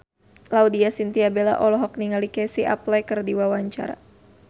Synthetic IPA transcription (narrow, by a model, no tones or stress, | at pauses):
laudiasint̪iabɛla̰ʔɔlɔɦɔk̚niŋalikɛsiʔa̰plɛkərdiwawaɲt͡ʃa̰ɾa̰